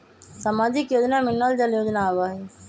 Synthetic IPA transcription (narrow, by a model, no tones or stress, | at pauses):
samaːd͡ʒɪkjoːd͡ʒnaːmɪnːaːld͡ʒaljoːd͡ʒnaːʋaːɦe